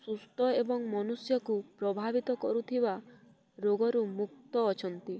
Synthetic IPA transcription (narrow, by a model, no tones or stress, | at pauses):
sust̪ɔebɔŋmɔnusjɔkupɾɔbʱabit̪ɔkɔɾut̪ʰiba | ɾoɡɔɾumuk̚t̪ɔːt͡ʃʰɔnt̪i